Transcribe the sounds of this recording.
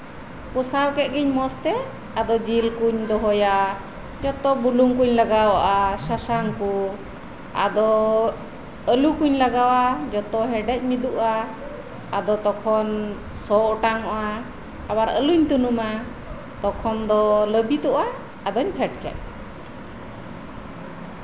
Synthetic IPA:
pɔsawkɛt̪̚ɡiɲmɔst̪ɛ | ad̪ɔd͡ʒilkuɲd̪ɔɦɔja | d͡ʒɔt̪ɔbuluŋkuɲlaɡawaʔasasaŋku | a̰d̪ɔ | əlukuɲlaɡawad͡ʒɔt̪ɔɦɛɖɛc̚mid̪uʔaː | d̪ɔt̪ɔkʰɔn | sɔʔɔʈaŋɔʔa | abaɾə̰luɲt̪unuma | t̪ɔkʰɔnd̪ɔləbit̪ɔʔaː | d̪ɔɲpʰɛʈ̚kɛ̰t̪̚

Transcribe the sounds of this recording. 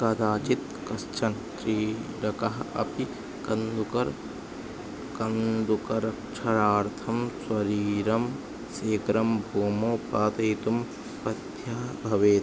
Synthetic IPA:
kɐd̪aːt͡ʃit̪ | kɐst͡ʃɐnʃɾiːɖɐkɐɦɐɐ̰pi | kɐnd̪ukɐɾ | kɐnd̪ukɐɾɐkt͡ʃʰɐɾaːɾt̪ʰɐmswɐɾiːɾɐm | seːkɾɐmbʱuːmoːpaːt̪ɐjt̪um | pɐd̪jɐɦɐbʱɐʋeːt̪

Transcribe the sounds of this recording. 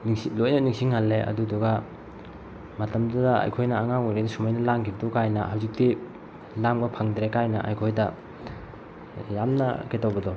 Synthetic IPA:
nsilojnɐniŋsiŋɦalːeɐ̰duduɡɐ | mɐtɐmdudɐa̰jkʰojnɐːŋaŋojɾedisumajnɐlaŋkʰibtukajnɐ̰ɦawzik̚ti | lambɐpʰaŋdɾekajnɐʔa̰jkʰojdɐ | jamnɐ̰ketowbɐdɔ

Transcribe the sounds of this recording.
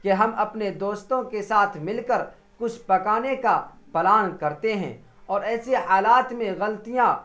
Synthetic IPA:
keɦɐmɐpned̪oːst̪õkesaːt̪ʰmɪlkəɾ | kʊt͡ʃʰpɐkaːneka | pɛlaːnkɐɾt̪eɦɛ̰̃ː | ɔːɾɛːsehaːlaːt̪mẽɣɐlt̪ijã

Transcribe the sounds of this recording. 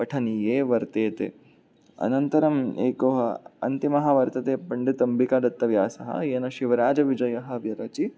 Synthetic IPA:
ɐʈʰɐnijeːʋɐɾt̪eːt̪ḛ | ɐ̰nɐnt̪ɐɾɐmḛːkoːɦɐɐ̰nt̪imɐɦɐʋɐɾt̪ɐt̪eːpɐɳɖit̪ɐmbikaːd̪ɐt̪ːɐʋjaːsɐɦɐ̰eːnɐʃiʋɐɾaːd͡ʒɐʋid͡ʒɐjɐɦɐ̆ʋjɐɾɐt͡ʃi

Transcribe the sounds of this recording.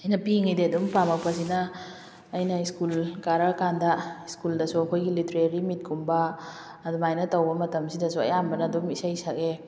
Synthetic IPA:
ɐjnɐpiŋideɐdumpamɐk̚pɐs̬inɐː | jnɐiskulkaɾakandɐiskuldɐsuɐkʰojɡilitɾeɾimit̚kumbɐː | duŋajnɐtɐwbɐmɐtɐmsidɐsuɐ̰jambɐnɐdumisajsake

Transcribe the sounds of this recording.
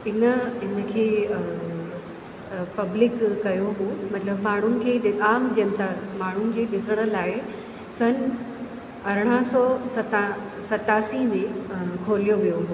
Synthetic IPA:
ɪnə̆ɪnə̆kʰeː | pɐblɪkːɐjoɦumɐt̪ləbmaːɳ̤ʊnɪ̆kʰeːaːmd͡ʑɐnt̪amaːɳ̤ʊnɪ̆d͡ʑeːɗɪsəɽ̃ə̆laːɪ | sɐn | ɐɾəɽ̃əsɔːsɐt̪a | sɐt̪aːsimẽkʰoːɾijoʋijoɦuː

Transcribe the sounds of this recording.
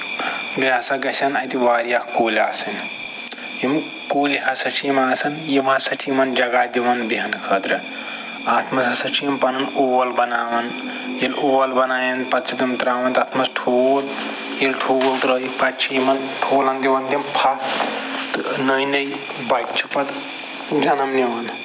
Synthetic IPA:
bjaːsɐɡɐsʰɐnɐjt̪iʋaːɾijakkoːlʲa̰ːsɐn | jim | koːlɦɐsɐt͡ʃʰimaːsɐnjiʋãsɐt͡ʃʰimɐnd͡ʒɐɡaːd̪iʋɐnbiɦɐnkʰəːt̪ɾɐ | aːt̪ʰmɐsɐsɐt͡ʃʰimpɐnɐnoːʋɐlbɐnaːʋɐn | jiloːʋɐlbɐnaːjɐnpɐt̪t͡ʃʰit̪imt̪ɾaːʋɐnt̪aːt̪ʰmɐsʈʰoːl | jilʈʰoːwult̪ɾɐipɐtt͡ʃʰiimɐnʈʰoːlɐnd̪iʋɐnt̪impʰa | t̪nɐjnɐj | bɐt͡ʃʰi̥pɐt̪ | d͡ʒɐnɐmniʋɐn

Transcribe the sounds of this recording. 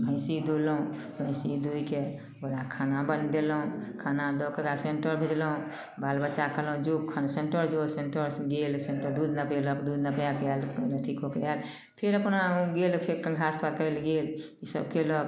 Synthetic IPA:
bʱə̃ɪ̃sid̪oləũ | bʱə̃ɪ̃sid̪oike | oɾakʰanabənd̪eləũkʰanad̪ɔkeɡaseɳʈəɾbʱed͡ʒləũ | balbət͡ʃakʰəlũd͡ʒokʰanseɳʈəɾd͡ʒoseɳʈəɾsɡelseɳʈəɾd̪ud̪napeləkd̪ud̪napjakellət̪ʰikokeal | pʰeɾəpnaɡelpʰeɾkə̃ŋɡʱaspaɾkəelɡelisə̰b̚kelɔ

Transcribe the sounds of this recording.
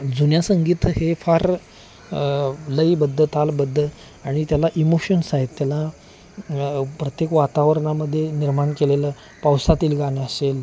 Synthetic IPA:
d͡zunjasəŋɡiːt̪ɦefaɾ | ləibəd̪ʱːət̪albəd̪ʱːə | aɽ̃it̪jalaʔimoɕənsaɦit̪ːjala | pɾət̪jekʋat̪aʋəɾɳaməd̪ʱːjeniɾmaɳkelelə | pawsat̪iːlɡaneəsel

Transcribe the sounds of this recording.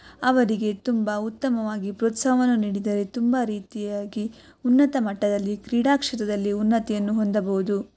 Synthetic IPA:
ɐʋɐɾiɡe̞t̪umbɐut̪ːɐmɐʋaːɡipɾoːt̪sɐɐʋɐnːuniːɽid̪ɐɾet̪umbɐɾiːt̪ijaːɡi | unːɐt̪ɐmɐʈːɐd̪ɐlːikɾiːɽaːkʂɐt̪ɐd̪ɐlːiunːɐt̪ɛjɐnːuɦo̞nd̪ɐbɐɦud̪u

